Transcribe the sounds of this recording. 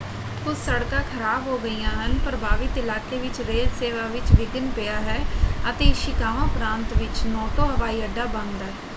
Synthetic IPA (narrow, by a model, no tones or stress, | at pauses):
kʊsːəɽkãːkʰəɾaːbɦoːɡəijãːɦənpɾəbʱaːʋɪt̪ɪlaːkeːʋɪt͡ʃɾeːlseːʋaːʋɪt͡ʃʋɪɡənpejaːɦɛːət̪eːʃɪkaːʋõːpɾãːnt̪ʋɪt͡ʃnɔːʈoːɦəʋaːiːəɖːaːbə̃nd̪aːɛː